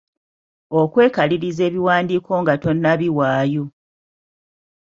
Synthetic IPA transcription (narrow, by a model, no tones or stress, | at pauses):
okwe̞ːkaliɾize̞ːβiwaːndiːkʰo̞ŋɡato̞nːaβiwaːjo